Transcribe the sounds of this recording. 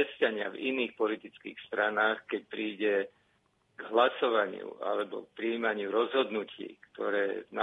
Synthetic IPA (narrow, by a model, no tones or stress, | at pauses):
ɛscaɲɪa̰vḭniːxpɔlit̪it͡skḭːxst̪ɾanaːxkɛc̚pɾiːɟɛ | ɡɦlasɔʋaɲɪ̰ṵʔa̰lɛbɔ̰k̚pɾiiːmaɲɪuɾɔzɦɔd̪nucʰḭːkt̪ɔɾɛːna